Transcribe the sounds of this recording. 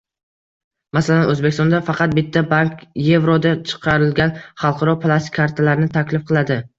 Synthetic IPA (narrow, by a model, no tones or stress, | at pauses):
masalanʔɵzbekʲɪst̪ɔnd̪afɑqɑt̪̚bɪt̪ʰːabaŋkje̞vɾod̪at͡ʃʰɨ̥qʰɑɾɪlɡʲanχɑlˠqʰɑɾɒplˠast̪ɪ̥kʲʰːaɾt̪ʰalaɾɪnɪt̪ʰakʲlɪfqʰɨlˠad̪ɪ